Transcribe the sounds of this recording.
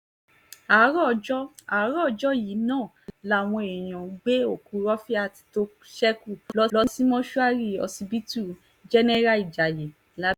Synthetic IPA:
a˨˦ɾɔ˦˧d͡ʒɔ˦a˨˦ɾɔ˦˧d͡ʒɔ˦ji˨˦nãː˦˨ | la˦˨w̃ɔ̃˧e˨j̃ɔ̃˨˦ɡ͡be˦o˦˨ku˨˧˦ɾɔ˦fi˦a˦˧˨ti̥˧to˧ | ʃɛ˦ku˦˨lɔ˦lɔ˦si˦mɔ̃˦ʃu˦a˦ɾi˦˨ɔ̰˧si˧bi˦tu˦˨ | d͡ʒɛ˦nɛ˦ɾa˦i˨d͡ʒa˨je˨˦ | la˦

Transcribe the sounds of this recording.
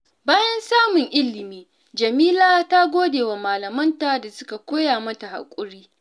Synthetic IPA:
baː˦jɐ˦nsaː˦mʊ˨ŋʔɪ˦lːɪ˨miː˦ | d͡ʒɐ˨miː˦laː˦ta˦ɡʷoː˦deː˨wa˨maː˨lɐ˨mɐ˦ntaː˨da˨sʊ˦ka˨kʷoː˦jaː˨mɐ˦ta˨ha̰˨kʷʼʊ˦ɾiː˦

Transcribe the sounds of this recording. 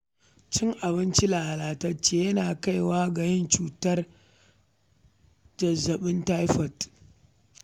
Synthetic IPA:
t͡ʃɪ˦ŋʔa˨βɪ˦nt͡ʃi˦laː˨ha˨laː˨tɐ˦t͡ʃːeː˦jɐ˦naː˨ka˦˨jwaː˦ɡɐ˨jɪ˦nt͡ʃuː˨tɐ˦r | d͡ʒɐ˨zɐ˨ɓɪ˦nta˦jɸɐ˨t

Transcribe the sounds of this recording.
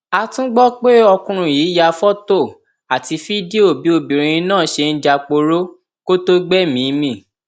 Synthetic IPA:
a˧tũ˦ɡ͡bɔ˦k͡pe˦ɔ˧kũ˧ɾ̃ũ˧jiː˨˦ja˧fɔ˦to˦˨ | a˨ti˧fi˦di˦o˦˨bi˨˦o˧˨bĩ˨ɾ̃ĩ˧ĩ˧nãː˦˨ʃe˧n̩˦d͡ʒa˧k͡po˧ɾo˦ | ko˦to˦ɡ͡bɛ˦mĩ˨˦mĩ˦˨

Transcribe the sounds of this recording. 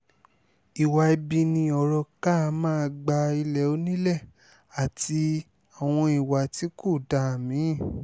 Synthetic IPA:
i˨wa˨i˧bi˧nĩ˧ɔ˨ɾɔ˧ka˦˧mãː˦˧ɡ͡ba˧i˧lɛ˨o˦nĩ˦lɛ˦˨ | a˨ti˧ | a˨w̃ɔ̃˧i˨wa˨ti˨˦ko˦˨da˨˦˨mĩ˨˦˨

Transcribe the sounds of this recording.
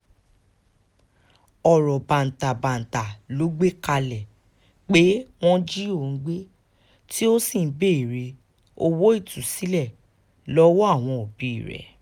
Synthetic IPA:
ɔ˨ɾɔ˨bã˨n̩˨ta˨bã˨n̩˨ta˨lo˨˦ɡ͡be˦ka˧lɛ˨ | k͡pe˦w̃ɔ̃˦d͡ʒi˦o˦˨n̩˦ɡ͡be˦ | ti˦o˦sĩ˦˨˦be˦i˨ɾe˧ | o˦wo˦i˦˨tu˨si˨˦lɛ˦˨ | lɔ˦wo˦a˦˨w̃ɔ̃˧o˨bi˨˦i˦˨ɾɛ̰˨

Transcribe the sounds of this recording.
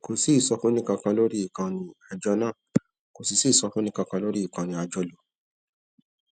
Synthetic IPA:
ko˨si˨˦i˨sɔ˧fũ˦nĩ˦kã˧kã˧lo˦ɾi˦i˨kã˧nĩ˧a˧d͡ʒɔ˧nã˦˨ | ko˨si˧si˨˦˨sɔ˧fũ˦nĩ˦kã˧kã˧lo˦ɾi˦i˨kã˧nĩ˧a˨˧d͡ʒɔ˧lo˧

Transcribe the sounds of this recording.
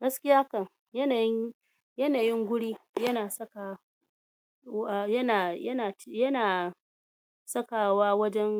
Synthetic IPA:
ɡɐ˦skʲɪ˦jaː˦kɐ˨ŋ | jɐ˦na˨˦ | jɐ˦naː˨jɪ˦ŋɡʷʊ˦ɽiː˦jɐ˦naː˨sɐ˦ka˨ | a˨jɐ˦naː˨jɐ˦naː˨˦jɐ˦naː˨ | sɐ˦ka˨waː˦wɐ˦d͡ʒɛ˦n

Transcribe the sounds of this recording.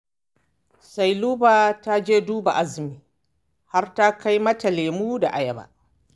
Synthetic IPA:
sa˨jluː˦baː˨ta˦d͡ʒeː˦duː˦ba˨ʔa˦zɪ˨miː˨ | ha˦rta˦ka˦jmɐ˦ta˨leː˨muː˦da˨ʔa˨jɐ˦ba̰˦˨ʔ

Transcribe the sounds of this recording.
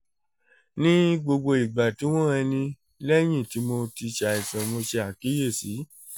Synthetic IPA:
nĩ˦ɡ͡bo˧ɡ͡bo˧i˨ɡ͡ba˨ti˨˦w̃ɔ̃˦ɛ˧nĩ˧ | lɛ˦j̃ĩ˦˨ti˨˦mo˧ti˧ʃa˨i˨sã˨mo˧ʃe˧a˨ki˨˦je˦˨si˨˦

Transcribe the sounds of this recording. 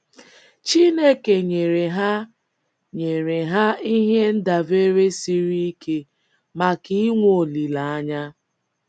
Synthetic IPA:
t͡ʃi˦ne˦ke˨ɲe˨ɾe˨ɦa˦ | ɲe˨ɾe˨ɦa˦i˦ɦe˦n̩˦da˨ve˦ɾe˦si˦ɾi˦i˦ke˦ | ma˨ki˦i˦ŋʷo˨li˨la˨a˦ɲa˦

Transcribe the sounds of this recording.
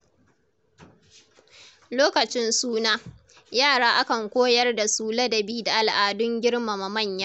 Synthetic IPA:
loː˦kɐ˨t͡ʃɪ˦nsuː˦naː˦ | jaː˦˨ɽaː˦ʔa˦kɐ˨ŋkʷoː˦jɐ˦rda˨suː˦lɐ˦dɐ˨biː˦da˨ʔa˨lʔaː˨dʊ˦ŋɡʲɪ˦ɽma˨ma˨mɐ˦˨ɲjaː˦ʔ

